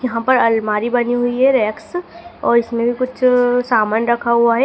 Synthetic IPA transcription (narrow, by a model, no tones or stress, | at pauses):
jɐɦãpɐɾɐlmaːɾibɐniɦʊiɦɛɾɛːksɔːɾɪsmẽbʱikʊt͡ʃʰsaːmənɾɐkʰaɦuaɦɛ